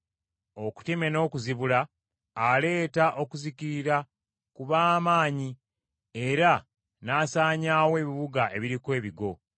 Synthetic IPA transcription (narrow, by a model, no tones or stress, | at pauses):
o̞ku̥teme̞no̞ːkuziβulaː | le̞ːtaʔo̞kuziciɾiɾa | kuβaːmaːɲi | e̞ɾa | naːsaːɲaːwe̞ːβiβuɡaʔe̞βiɾikwe̞ːβiɡo̞